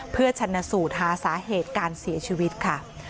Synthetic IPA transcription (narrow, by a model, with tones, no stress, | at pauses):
pʰɯ˥˩ɐt͡ɕʰa˧nːa˧suː˨˩t̪̚ɦaː˩˦saː˩˦ɦeː˨˩t̪̚kaː˧nsi˨˩˦ɐt͡ɕʰiː˧wi˦˥t̪̚kʰa˥˩